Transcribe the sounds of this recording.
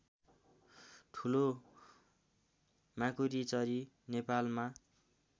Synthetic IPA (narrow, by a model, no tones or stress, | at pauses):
t̪ʰulo | mãkuɾit͡sʌɾi | nepalma